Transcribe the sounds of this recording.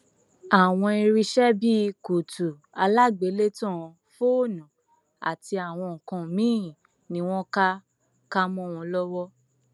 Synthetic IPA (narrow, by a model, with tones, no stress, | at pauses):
a˨w̃ɔ̃˧i˧ɾi˧ʃɛ˦bi˦˧ku˨tu˨ | a˧la˦ɡ͡be˨˦le˦tɔ̃˦˨˧ | fo˦o˦˨nã˨ | a̰˨ti˧a˨w̃ɔ̃˧˨kã˨˧˨mĩ˦˨ | nĩ˧˦w̃ɔ̃˦ka˦ | ka˦mɔ̃˦˨w̃ɔ̃˧lɔ˦wɔ˦